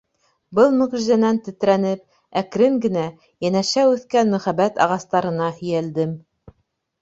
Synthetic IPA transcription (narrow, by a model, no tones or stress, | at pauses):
bɤlˠmɵ̆ʁʒizænænt̪ɘ̆t̪ɾænɘp̚ | ækɾɘŋɡɘ̆næ | jænæʃæʉθkænmɵ̆χæβæt̪ɑ̰ʁɑst̪ɑɾɤ̆nɑhɵ̆jæld̪ɘm